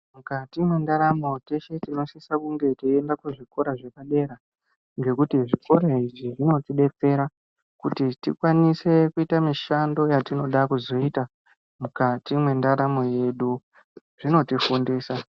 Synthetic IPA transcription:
mukatimwe̞ndaɾamo̞t͡ʃeʃe̞tino̞sisakuŋɡe̞tiendakuʐiko̞ɾaʐe̞kaɗe̞ɾa | ŋɡe̞kutiʐiko̞ɾaiʐiʐino̞tiɗe̞t͡se̞ɾa | kutitikwanise̞kuitamiʃando̞jatino̞ɗakuzo̞ita | mukatimwe̞ndaɾamo̞je̞ɗu | ʐ̥ino̞tifundiːsa

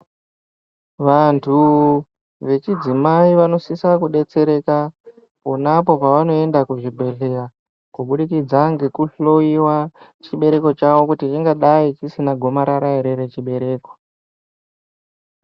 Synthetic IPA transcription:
ʋantʰu | ʋe̞t͡ʃid͡zimaiʋano̞sisakuɗe̞t͡se̞ɾe̞ka | ponapo̞paʋano̞e̞ndakuʐibʱe̞ɬe̞ɾa | kuɓuɗikid͡zaŋɡekuɬo̞iwat͡ʃiɓe̞ɾe̞ko̞t͡ʃaʋo̞kutit͡ʃiŋɡaɗait͡ʃisinaɡʱo̞maɾaɾaiɾeɾet͡ʃiɓe̞ɾe̞ːko̞

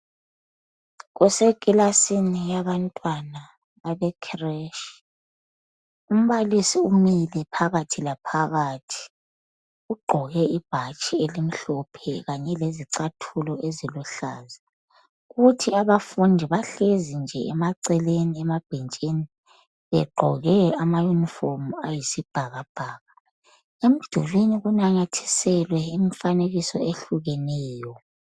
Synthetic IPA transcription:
ɣusekʼilasinijaβantʼwana | βaβɛkʰrɛʃ | um̩βalisiumilɛpʰaɣatʰilapʰaɣatʰi̥ | uɡ͡ǃʱɔɣɛib̥ʱat͡ʃʼielim̩ɬɔpʰɛɣaɲɛleziǀatʰulɔʔeziluɬa̰ːza | ɣutʰiaβafundʱiβaɬezind͡ʒʱɛɛmaǀɛleniɛmab̥ʱint͡ʃʼini | βɛɡ͡ǃʱɔɣɛamajuniformuajisib̥ʱaɣab̥ʱaːɣa | em̩d̥ʱulwiniɣunaɲatʰi̥sɛlwɛimifaneɣisɔ̰eɬuɣɛnɛːjɔ

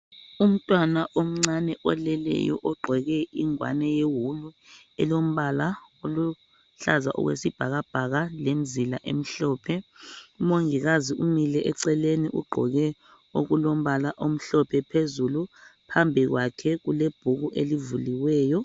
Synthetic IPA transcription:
um̩tʼwanaʔom̩ŋ͡ǀanɛʔɔlɛlɛ̰jɔ̰ʔɔɡ͡ǃʱɔɣɛiŋwa̰nɛjewulu | ɛlom̩βalaolu | ɬaza̰ʔɔ̰ɣwḛsib̥ʱaɣab̥ʱaɣalem̩zila̰ʔem̩ɬɔːpʰɛumoŋiɣaziʔumilɛʔɛǀɛleniʔṵɡ͡ǃʱɔɣɛ | oɣulom̩βalaʔom̩ɬɔpʰɛpʰezulupʰambʱiɣwakʰɛɣuleb̥ʱuɣuʔelivuliwɛːjɔ

